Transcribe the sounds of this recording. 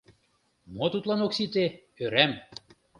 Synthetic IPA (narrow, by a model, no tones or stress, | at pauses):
mot̪ut̪lɑnoksit̪e | øɾæm